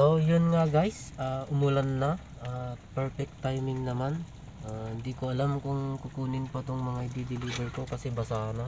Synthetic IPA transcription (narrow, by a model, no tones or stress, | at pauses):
ʔojʊnŋaɡajsaʔʊmʊlɐnːɐ | ʔapɛɹfɛk̚t̪ːajmɪŋnɐman | ʔahɪnd̪iːkoɐlamkʊŋkʊkuːnɪnpɐt̪oŋmɐŋaɪd̪id̪ɪliːbɛɹko̞kɐsɛbɐsaːna